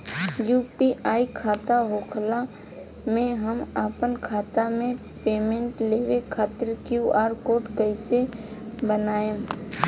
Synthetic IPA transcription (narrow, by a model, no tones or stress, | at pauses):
juːpiʔaːikʰaːt̪aɦoːkʰla | mẽɦəmaːpənkʰaːt̪amẽ | peːmẽɳʈleːʋekʰaːt̪əɾkjuːʔaːɾkoːʈkəɪsebənaːẽ